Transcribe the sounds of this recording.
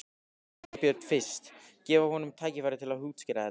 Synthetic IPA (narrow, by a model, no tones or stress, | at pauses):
pjœt̪fɪ̥st̪cɛːvahɔnʏmt̪ʰaːjcɪfaɾɪt̪ʰɪlaðhuːt̪scɪɾa